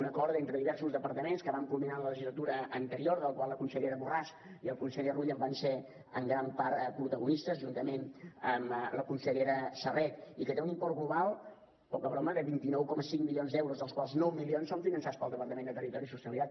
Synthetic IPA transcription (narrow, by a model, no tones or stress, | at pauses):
unəkɔɾðent̪ɾəðiβɛɾsuzðəpəɾt̪əmenskəβaŋkulˠminanlələʒizlət̪uɾəənt̪əɾioɾðəlˠkwaləkunsəʎeɾəβuras | iəlˠkunsəʎəruʎəmbanse | ə̰ŋɡɾampaɾpɾut̪əɣunist̪əzʒunt̪əmenəmləkunsəʎeɾəsərɛt̪ikət̪eunimpɔrt̪ɣluβalˠ | pɔkəβɾɔməkəβint̪inɔwkɔməsiŋmilionzd̪ɛwɾuzðəlˠskwalˠznɔwmilionsoɱfinənsat̪t͡spəlˠd̪əpəɾt̪əmend̪ət̪ərit̪ɔɾisusiəlˠit̪at̪